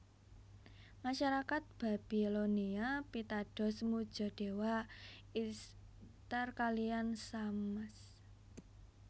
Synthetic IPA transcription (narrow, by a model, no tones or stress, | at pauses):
maʃaɾakat̪̚b̥a̤b̥iloniapit̪aɖ̥ɔ̤smud̥ʒ̥ɔ̤ɖ̥e̤wais | t̪ərkaliansaməs